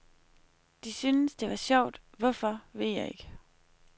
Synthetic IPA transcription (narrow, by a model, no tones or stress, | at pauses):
d̥isynəsd̥e̝ʋɑ̈ɕɒʊ̰d̥ʋɒfɒʋe̝ð̰ˠjɑ̈ɪe̝ɡ̥ə